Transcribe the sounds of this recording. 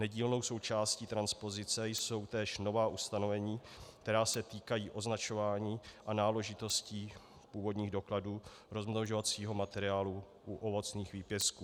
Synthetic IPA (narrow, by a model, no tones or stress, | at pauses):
nɛɟiːlno̞wso̞wt͡ʃaːsciːt̪ɾanspo̞zɪt͡sɛjso̞wt̪ɛːʃno̞vaːʔust̪ano̞vɛɲiː | kt̪ɛɾaːsɛt̪iːkajiːʔo̞znat͡ʃo̞vaːɲiːʔanaːlɛʒɪt̪o̞sciː | puːvo̞dɲiːɣdo̞kladuː | ɾo̞zmnoʒovat͡siːɦo̞mat̪ɛɾɪaːlu | ʔuʔovo̞t͡sniːxviːpjɛskuː